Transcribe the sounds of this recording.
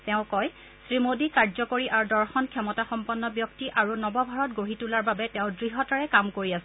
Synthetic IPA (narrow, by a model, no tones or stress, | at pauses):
tɛʊ̃kɔj | sɹimodikaɹzɔkoɹiʔaɹudɔɹxɔnkʰjɔmɔtaxɔmpɔnːɔbjɔktiʔaɹunɔbɔbʱaɹɔt̚ɡoɦitulaɹbabɛtɛʊ̃dɹiɦɔtaɹɛkamkoɹiasɛ̃